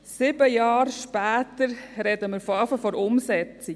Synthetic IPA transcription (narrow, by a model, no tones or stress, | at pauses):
sɪbəjɑːɾʃpæːt̪əɾɾɛdəməɾfoɑːfəfɔɾʊmsɛt͡si